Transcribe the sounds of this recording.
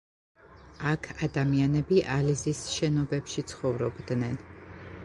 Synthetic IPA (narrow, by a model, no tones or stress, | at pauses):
akʰad̪amianɛbiʔalizisʃɛnɔbɛpʃit̪sʰχɔvɾɔbd̪nɛn